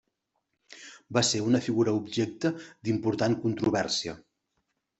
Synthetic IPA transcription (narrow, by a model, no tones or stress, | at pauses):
baseunəfiɣuɾəubʒek̚t̪əd̪impuɾt̪ankunt̪ɾuβɛɾsiə̰